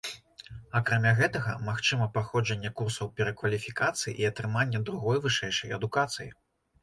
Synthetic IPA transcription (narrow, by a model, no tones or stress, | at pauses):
ɐkɾamʲaɣɛt̪ɐɣɐmaxt͡ʂɨmɐpaxɔd͡ʐɐnʲːɛkursɐwpʲɛɾɐkvɐlʲifʲikat̪sɨjḭʔiɐt̪ɾɨmanʲːɛd̪ɾuɣɔjvɨʂɛjʂɐjɐd̪ukat̪sɨjḭ